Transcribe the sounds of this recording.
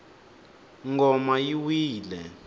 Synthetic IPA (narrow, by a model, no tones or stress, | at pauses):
ŋɡɔmajiwiːlɛ